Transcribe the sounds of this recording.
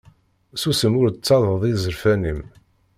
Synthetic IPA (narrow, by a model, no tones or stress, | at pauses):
susəmʊɾt͡sːɑðˤəðˤizəɾfænim